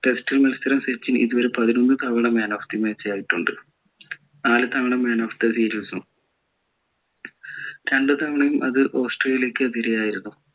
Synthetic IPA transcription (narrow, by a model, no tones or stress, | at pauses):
ʈe̞sʈilmelst̪ɐɾɐmset͡ɕːinḭðuʋɐɾepɐðinonːɨt̪ʰɐʋɐɳɐmːeːnoːft̪imeːt͡ɕːɐjaːjiʈːuɳɖɨ | naːlɨt̪ʰɐʋɐɳɐmːeːnoːft̪ɨsiːɾusu | ɾeɳɖɨt̪ʰɐʋɐɳɐjumʔɐ̰ðɨʔo̞ːsʈreːjiljeːkʲːɨɐðiɾejaːjiɾunːu